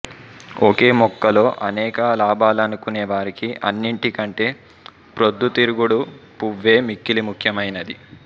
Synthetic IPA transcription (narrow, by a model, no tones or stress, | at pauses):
oːke̞ːmɔkːɐlo̞ːʔɐnɛːkɐlaːbʱaːlɐnukuneːʋaːɾikiʔɐ̰nːiɳʈikɐɳʈe̞ː | pɾod̪ːut̪iɾuɡuɽupuʋːe̞ːmikːilimukʰjɐmɐjnɐd̪i